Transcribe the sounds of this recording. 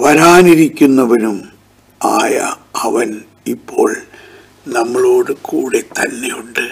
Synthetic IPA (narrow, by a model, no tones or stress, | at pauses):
ʋɐɾaːniɾikʲːunːɐʋɐnum | a̰ːjɐ̰ɐʋɐn | ipʰːo̞ːɭ | nɐmːɐɭo̞ːɽɨkuːɽet̪ɐnːejuɳɖɨ